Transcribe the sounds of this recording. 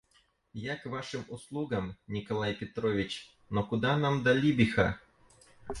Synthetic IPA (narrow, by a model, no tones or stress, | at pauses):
jakvaʂɨmuslˠuɡəmnʲɪkɐlˠajpʲɪt̪ɾovʲɪt͡ɕ | nokʊd̪anamd̪ɐlʲibʲɪxa̰